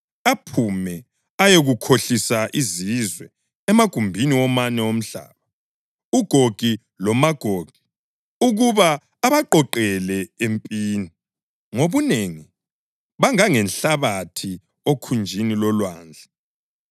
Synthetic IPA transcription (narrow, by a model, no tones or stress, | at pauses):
apʰumɛ | ajeɣukʰoɬisaʔizizwɛ | ɛmaɡ̥ʱumbʱiniwɔmanɛom̩ɬa̰ːβa | uɡ̥ʱoɡ̥ʱi | lɔmaɡ̥ʱoːɡ̥ʱi̥ | uɣuβaː | βaǃɔǃɛlɛempʼiːni | ŋoβuneŋi | βaŋaŋɛnɬaβatʰi | okʰund͡ʒʱinilɔlwa̰ːnd͡ɮʱɛ